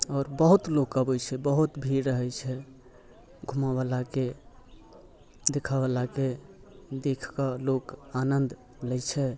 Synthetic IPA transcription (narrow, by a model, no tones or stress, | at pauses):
ɔːɾbəɦut̪lokəbɛjt͡ʃʰɛbəɦut̪bʱiɾːəɦɛjt͡ʃʰɛ | ɡʱumaβalake | d̪ekʰabəlake | d̪ekʰkəlokanənd̪ | lɛjt͡ʃʰɛ